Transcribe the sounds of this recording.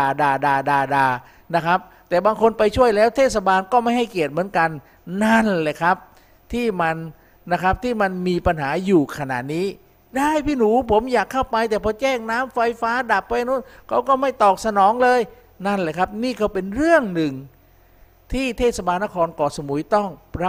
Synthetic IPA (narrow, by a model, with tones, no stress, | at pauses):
aː˧daː˧daː˧daː˧daː˧ | na˦˥kʰa˦˥p̚ | t̪ɛː˨˩baː˧ŋkʰo˧npa˧jt͡ɕʰu˥˩əjlɛː˦˥wt̪ʰeː˥˩t̪̚sa˧baː˧nkɔː˥˩ma˥˩jɦa˥˩jki˨˩ət̪̚mɯ˩˦ənka˧nː | a˥˩nlɛː˧˩jkʰa˦˥p̚ | t̪ʰiː˥˩ma˧nː | a˦˥kʰa˦˥p̚t̪ʰiː˥˩ma˧nmiː˧pa˧nɦaː˩˦juː˨˩kʰa˧na̰˨˩niː˦˥ | daː˥˩jpʰiː˥˩nuː˩˦pʰo˩˦mjaː˨˩kʰːa˥˩wpa˧jt̪ɛː˨˩pʰɔː˧t͡ɕɛː˥˩ŋnaː˦˥mfa˧jfaː˦˥da˨˩p̚ːa˧jnu˦˥t̪̚kʰa˦˥wkɔː˥˩ma˥˩jt̪ɔː˨˩k̚sa˧nɔː˨˩˦ŋlɤː˧j | na˥˩nlɛː˧˩kʰa˦˥p̚niː˥˩kʰa˧˩wpe˧nɾɯ˥˩əŋnɯ˨˩ŋ | t̪ʰiː˥˩t̪ʰeː˥˩t̪̚sa˧baː˧nːa˦˥˩kʰɔː˧nkɔː˨˩so˧˦mu˨˩˦jt̪ɔ˥˩ŋɾa˦˥